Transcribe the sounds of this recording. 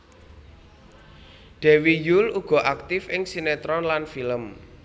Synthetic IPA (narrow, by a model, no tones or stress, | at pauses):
ɖ̥ɛ̤wijuluɡ̥ɔ̤ʔak̚t̪ɪfɪŋsinɛt̪ɾɔnlanfiləm